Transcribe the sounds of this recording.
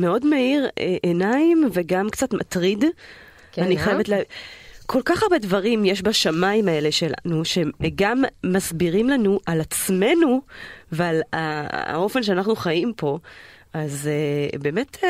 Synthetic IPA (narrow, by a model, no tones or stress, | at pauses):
me̞odmaiʁeʔenaimveɡamkt͡satmatʁid | aniχajevetlekʰo̞lkaχaʁbe̞dvɐʁimjeʃbaʃamaimae̞leʃe̞la̰nuʃe̞ɡamːazbiʁimlanuʔalat͡sme̞nuvala̰o̞fe̞nʃ̬eanaχnuχajimpo̞ | azebe̞ːmet